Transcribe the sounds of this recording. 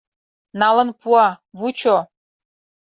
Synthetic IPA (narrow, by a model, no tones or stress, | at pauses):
nɑlɤ̆npuɑβut͡ɕo